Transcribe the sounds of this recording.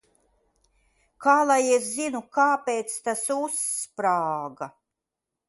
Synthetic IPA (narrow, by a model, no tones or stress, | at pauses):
kʰaːlˠajɛszinukaːpeːt̪st̪asuspɾaːɡa